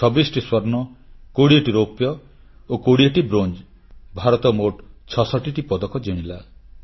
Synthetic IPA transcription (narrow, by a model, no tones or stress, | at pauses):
t͡ʃʰɔbisʈiswɔɾnɔkoɽieʈiɾopjɔ | okoɽieʈibɾond͡ʒ | bʱaɾɔt̪ɔmoʈt͡ʃʰɔsɔʈiʈipɔd̪ɔkɔd͡ʒeɽ̃ila